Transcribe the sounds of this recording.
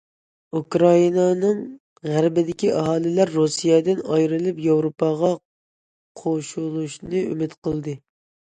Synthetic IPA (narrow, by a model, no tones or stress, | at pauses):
ukɾɑjinɑnɨŋ | ʁæɾbɪd̪ɪkʲiʔɑɦɑːlˠɪlæɾːusijɛd̪ɪnɑjɾɨlˠɨpjɑwɾopɑʁɑ | qʰoʃulˠuʃnɨy̰mɪt̪qʰəlˠd̪ɨ